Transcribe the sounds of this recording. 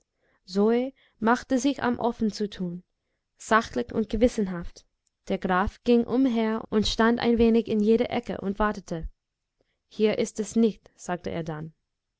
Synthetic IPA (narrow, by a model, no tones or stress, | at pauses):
zoe | maχtəzɪça̰mʔɔ̰fn̩t͡sutʰuːn | z̥axlɪçʊ̰nt̚ɡ̥əvɪsn̩ɦaft | d̥eːɐɡʁaːfɡ̥ɪŋʔʊmɦeːɐʊntʃtanda̰ɪnveːnɪçɪnjeːɾəʔɛkə̰ʔʊ̰ntv̥aɐtətʰə | hiːɐʔɪstɛsnɪçtz̥aːk̚təʔḛːɐdan